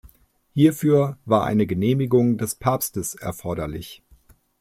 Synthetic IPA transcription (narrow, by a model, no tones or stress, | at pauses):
hiːɐfyːɐvaːɐʔa̰ɪnəɡəneːmɪɡʊŋdɛspʰaːpstəsʔɛ̰ɐfɔɐɾɐlɪç